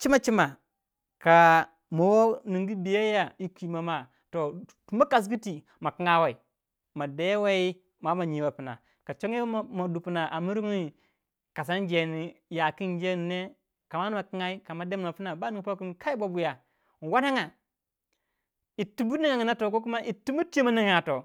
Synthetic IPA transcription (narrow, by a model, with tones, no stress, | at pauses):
t͡ʃi˦ma˦t͡ʃi˦ma˨ | ka˨ | mo˨wo˦ni˨ŋɡi˦bi˨ja˦ja˨i˦kʷi˨ma˨ma˦ | to˨ | u˨ma˦ka˨s̬ɡi˦ti˨ | ma˨ki˦ŋa˦wa˨i˨ | ma˨de˦wa˦i˦ | ma˦ma˨ɲi˨wa˨pi˨na̰˨ | ka˨t͡ʃo˦ŋ˦e˦˨ma˨du˨pi˨na˨ʔa˨mi˦ɾi˦ŋi˦˨ | ka˨s̬a˦nd͡ʒe˨ni˨ja˨ki˦nd͡ʒe˦˨ne˦ | ka˨ma˦n˦ma˨ki˦ŋa˦i˦ka˨ma˨de˦ma˨ma˨pi˦na˨ba˦ni˨ŋ˨pa˦ku˦n˦ka˦i˦bo˦bu˦ja˨ | n˨wa˦na˦ŋa˨ | i˨tu˦bu˦ni˦ŋa˨ŋi˨na˦to˨ko˦k̬u˦ma˦ʔi˨tu˦mu˦ti˦i˦ma˦ni˦ŋ˨ja˨to˨